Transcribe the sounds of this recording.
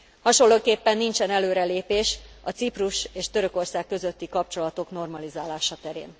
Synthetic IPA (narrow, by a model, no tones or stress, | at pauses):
hɒʃo̞lːoːkeːpːɛnːint͡ʃɛnɛløːɾɛleːpeːʃɒt̪sipruʃeːʃt̪ø̞ɾøko̞rsaːkːø̞zø̞t̪ːikɒp̚t͡ʃo̞lɒt̪o̞kno̞rmɒlizaːlaːʃɒt̪ɛɾḛːn